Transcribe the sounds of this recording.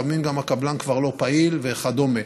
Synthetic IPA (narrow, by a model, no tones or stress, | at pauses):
amimɡamakablankvaʁlo̞pailveχad̪o̞me